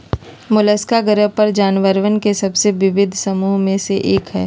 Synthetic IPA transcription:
mʊləskaɡəɾəɦpɐɾd͡ʒaːnʋəɾʋənkesɐbseʋɪʋɪd̪ʱsɐmuːɦmẽseʔeːkɦɛ̰ː

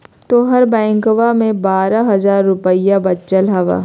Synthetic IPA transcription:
t̪oɦɐɾbɛ̃ːŋkoʋamẽbaːɾaɦɐzaːɾːʊpəijabɐtːt͡ʃəlɦɐʋa̰ː

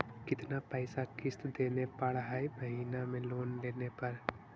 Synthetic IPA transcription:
kɪt̪napɛːɪsakɪst̪d̪eːnepaɭɦaːebəɦiːnamẽloːnleːnepɐɾ

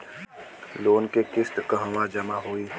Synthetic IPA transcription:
loːnkekɪst̪kəɦəʋãd͡ʒɐmaɦoiː

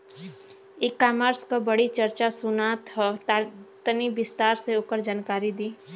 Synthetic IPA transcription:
ekːaːmaɾskabəɽit͡ʃəɾt͡ʃasʊnaːt̪ɔ | t̪ənibɪst̪aːɾseoːkəɾd͡ʒaːnkaːɾid̪iː

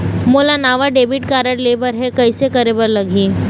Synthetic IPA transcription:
molanaʋaɖebiʈ̚kaɾəɽlebəɾɦekəjsekəɾebəɾləɡʱiː

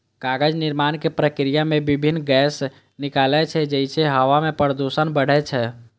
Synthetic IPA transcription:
kaɡəd͡ʒniɾmankepɾəkɾijamebibʱinːɡɛs | nikalɛt͡ʃʰɛd͡ʒəjt͡ʃʰeɦəʋamepəɾəd̪osənbəɽ̤ɛt͡ʃʰɛ

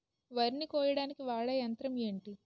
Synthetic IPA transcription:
ʋɐɾinikɔːjɐɽaːnikiʋaːɭɐjɐnt̪ɾɐme̞ːɳʈi

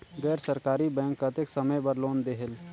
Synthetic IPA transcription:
ɡɛːɾsəɾkaːɾibɛ̃ːŋkːat̪eksəməjbəɾloːnd̪eɦəl

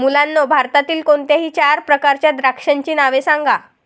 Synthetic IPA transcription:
mulãnːɔbʱaɾt̪at̪iːlkoɳt̪jaɦiːt͡ɕaɾpɾəkaɾt͡ɕjad̪ɾakʂəɲt͡ɕiːnaʋesãŋɡa

